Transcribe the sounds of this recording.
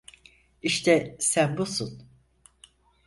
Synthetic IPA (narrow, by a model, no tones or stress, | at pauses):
iʃt̪ʰɛsænbusun